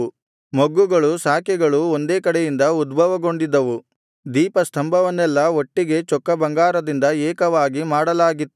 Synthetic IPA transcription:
moɡːuɡɐɭusaːkɛɡɐɭuond̪e̞ːkɐɽejind̪ɐud̪bʱɐʋɐɡo̞ɳɖid̪ːɐʋu | d̪iːpɐst̪ʰɐmbʱɐʋɐnːɛlːɐo̞ʈːiɡe̞t͡ʃɔkːɐbɐŋɡaːɾɐd̪ind̪ɐɛːkɐʋaːɡimaːɽɐlaːɡit̪ːu

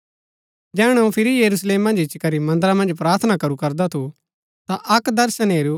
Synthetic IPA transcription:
d͡ʒɛːɽ̃ɛũpʰɪɾijɐɾusleːmːɐ̃nd͡ʒɪt͡ʃkɐɾimɐ̃nd̪əɾamɐ̃nd͡ʒpɾaːɾt̪ʰnakɐɾukɐɾd̪at̪ʰu | t̪aʔɐkd̪ɐɾsəneːɾu

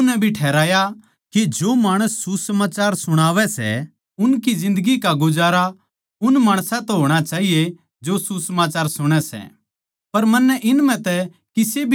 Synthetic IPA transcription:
nɛ̃bʱiʈʰɛːɾaːja | kid͡ʒoːmaːɽ̃əsːusəmaːt͡ʃaːɾsʊɽ̃aːʋɛsɛ̰ | ʊnkizɪ̃nd̪əɡikaɡʊd͡ʒaːɾa | ʊnmaːɽ̃sãt̪ɛɦoːɽ̃at͡ʃaːɦije | d͡ʒosusəmaːt͡ʃaːɾsʊɽ̃ɛsɛ̰ | pɐɾmɐnːɛʔɪnmɛ̃t̪ɛ | kɪsebʱ

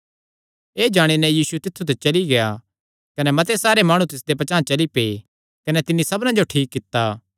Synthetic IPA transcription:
eːd͡ʒaːɽ̃inɛjiːsut̪ɪt̪ʰːut̪ɛt͡ʃɐliɡea | kɐnɛmɐt̪̬esaːɾemaːɽ̃ũt̪ɪs̬d̪epɐt͡ʃãːt͡ʃɐlipe | kɐnɛt̪ɪnːisɐbnãd͡ʒoʈʰiːkːɪt̪ːaː

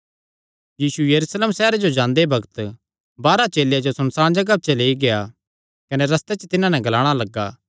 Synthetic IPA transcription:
jiːsujɐɾuːsleːmsɛːɾed͡ʒod͡ʒãːnd̪ebɐɡət̪ | baːɾat͡ʃeːlejad͡ʒosɐnsaːɽ̃d͡ʒɐɡab̚t͡ʃeleːiɡea | kɐnɛɾɐst̪et͡ʃt̪ɪnãnɛ̃ɡɐlaːɽ̃alɐɡːaː

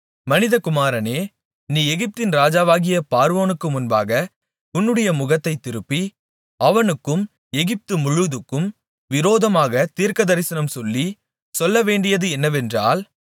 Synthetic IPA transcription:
mɐnɪðɐkʊmaːɾɐneː | niːɛɣɪp̚t̪ɪnɾaːd͡ʒaːʋaːɣɪjɐpaːɾʋoːnɯkːɯmʊnbaːɣɐ | ʊnːɯɽɐjɐmʊɣɐt̪ːɐɪt̪ːɪɾɯpːi | ɐʋɐnɯkːɯm | ɛɣɪp̚t̪ɯmʊɻɯðɯkːɯm | ʋɪɾoːðɐmaːɣɐt̪iːɾkɐðɐɾɪsɐnɐmsɔlːi | sɔlːɐʋeːɳɖɪjɐðɯɛnːɐʋɛndra̰ːl

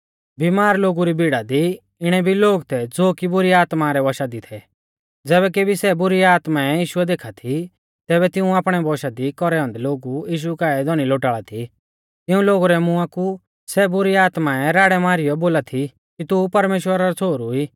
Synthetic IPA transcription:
bimaːɾloːɡuɾibiɽad̪i | ɪɽ̃ɛbʱiloːɡt̪ʰɛd͡zoːkibʊɾiaːt̪maɾɛʋɔʃad̪it̪ʰɛ | d͡zɛːβɛk̬ebʱisɛbʊɾiaːt̪maɛjiːʃʊɛd̪eːkʰat̪ʰi | t̪ɛːbɛt̪ɪũaːpɽ̃ɛʋɔʃad̪ikɔɾɛɦɔ̃nd̪ɛloːɡujiːʃ̬ukaːɛd̪ɔɽ̃iloːʈaːɭat̪ʰi | t̪ɪũloːɡuɾɛmʊaku | sɛbʊɾiaːt̪maɛɾaːɽɛmaːɾɪjɔboːlat̪ʰi | kit̪upɐɾmeːʃwəɾaɾɔt͡sʰoːɾuiː

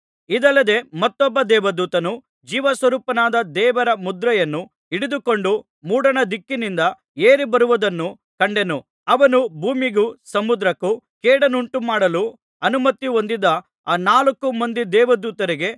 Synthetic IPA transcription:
id̪ɐlːɐd̪e̞mɐt̪ːɔbːɐd̪ɛːʋɐd̪uːt̪ɐnu | d͡ʒiːʋɐsʋɐɾuːpɐnaːd̪ɐd̪ɛːʋɐɾɐmud̪ɾɐjɐnːu | iɽid̪uko̞ɳɖu | muːɽɐnɐd̪ikːinind̪ɐ | eːɾibɐɾuʋud̪ɐnːu | kɐɳɖe̞nu | ɐʋɐnubʱuːmiɡusɐmud̪ɾɐkukeːɽɐnuɳʈumaːɽɐlu | ɐnumɐt̪ːio̞nd̪id̪ɐ | aːnaːlɐkːumɐnd̪id̪ɛːʋɐd̪uːt̪ɐɾiɡe̞

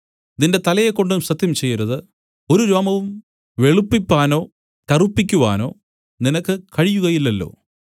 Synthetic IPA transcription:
d̪inde̞t̪ɐlɐjekːo̞ɳɖumsɐt̪jɐmt͡ɕe̞jːɐɾɐðɨ | o̞ɾuɾoːmɐʋum | ʋe̞ɭupːipʲːaːno̞ː | kɐrupːikʲːuʋa̰ːno̞ː | ninɐkːɨkɐɻijuɣɐjilːɐlːo̞̰ː

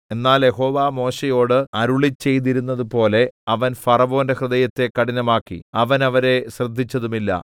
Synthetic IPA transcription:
e̞nːaːlje̞ɦo̞ːʋaːmo̞ːɕejo̞ːɽɨɐɾuɭit͡ɕːe̞jt̪̬iɾunːɐðupo̞ːle̞ɐʋɐnfɐrɐʋo̞ːndehrɨðɐjɐt̪ːe̞kːɐɽinɐmaːkːḭɐʋɐnɐʋɐɾe̞ɕrɐd̪ʱːit͡ɕːɐðumilːɐ̰

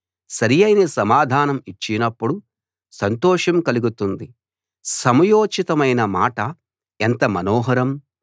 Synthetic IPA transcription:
sɐɾijɐjnesɐmaːd̪ʱaːnɐmit͡ʃːinɐpːuɽu | sɐnt̪ɔːʂɐmkɐliɡut̪und̪i | sɐmɐjoːt͡ʃit̪ɐmɐjnɐmaːʈɐ | ent̪ɐmɐnɔːɦɐɾɐm

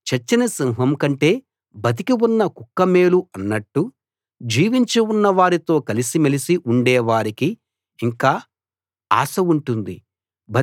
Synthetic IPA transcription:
t͡ʃɐt͡ʃːɐnɐsiŋɦɐmkɐɳʈe̞ː | bɐt̪̬ikiwunːɐkukːɐme̞ːluɐnːɐʈːu | d͡ʒiːʋiɲt͡ʃiunːɐʋaːɾit̪o̞ːkɐlisimɐlisiʔuɳɖɛːʋaːɾikiː | ŋkaː | a̰ːsɐuɳʈund̪i | bɐ

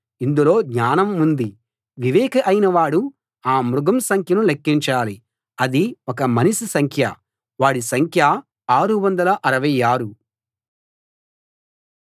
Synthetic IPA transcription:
ind̪ulo̞ːɡɲaːnɐmund̪i | ʋiʋɛːkɐʔɐjnɐʋaːɽu | aːmɾuɡɐmsɐŋkʰjɐnulekːiɲt͡ʃaːli | ɐd̪iɔkɐmɐnisusɐŋkʰjɐ | ʋaːɽisɐŋkʰjɐ | aːɾuʋɐnd̪ɐlɐʔɐɾɐʋɐjaːɾu

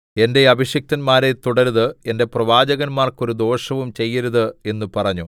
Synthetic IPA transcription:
e̞nde̞ɐbʱiɕjɐk̚t̪ɐnmaːɾe̞t̪uɽɐɾðɨe̞nde̞prɐʋaːd͡ʑɐɣɐnmaːrko̞ɾud̪o̞ːʂɐʋumt͡ɕe̞jːɐɾuðɨe̞nːupɐrɐɲːu

